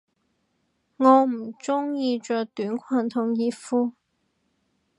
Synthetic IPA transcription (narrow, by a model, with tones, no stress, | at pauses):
ŋɔː˨˧m̩˨˩t͡sʊ˥ŋjiː˧t͡ʃœː˨˧kt̪yː˨˥nkʷʰɐː˨˩nt̪ʰʊ˨˩ŋjiː˧tfuː˥